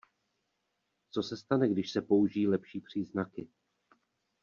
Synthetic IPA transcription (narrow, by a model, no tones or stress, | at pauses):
t͡so̞sɛst̪anɛɡdɪʃsɛpo̞uʒiːlɛpʃiːpr̝̥iːznakɪ